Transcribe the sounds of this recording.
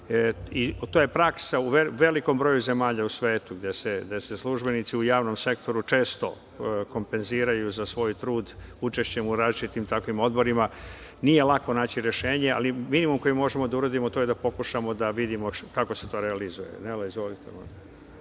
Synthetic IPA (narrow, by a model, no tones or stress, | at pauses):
it̪oje̞pɾaksauʋeʋe̞liko̞mbɾo̞juze̞maːʎausʋe̞ːt̪uɡd̪eseɡd̪ese̞slˠuʒbe̞nit̪siujaːʋno̞mse̞kt̪o̞ɾut͡ʃe̞ːst̪o̞ | ko̞mpe̞nziːɾajuzasʋo̞ːjt̪ɾuːd̪ut͡ʃe̞ʃt͡ɕemuɾaːzlit͡ʃit̪imt̪akʋimo̞d̪bo̞ɾima | nije̞lˠako̞naːt͡ɕiɾe̞ʃeːɲea̰liminimumko̞jimo̞ʒemo̞d̪auɾad̪imot̪ojed̪apo̞kuʃamo̞d̪aʋid̪imo̞kako̞set̪o̞ːɾealizuje̞̰nelizʋo̞lit̪ḛmo̰